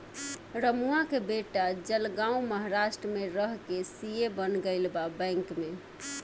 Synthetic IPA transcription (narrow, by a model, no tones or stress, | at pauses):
ɾəmuakebeʈad͡ʒəlɡãũməɦaɾasʈɾəmeɾəɦkesijebənɡəɪlbabə̃ŋkme